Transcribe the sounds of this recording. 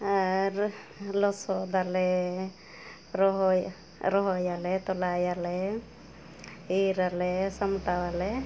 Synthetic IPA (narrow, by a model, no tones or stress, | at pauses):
aɾlɔsɔd̪alɛ | ɾɔɦɔ | ɾɔɦɔjalɛt̪ɔlajalɛ | iɾalɛsɔmʈawalɛ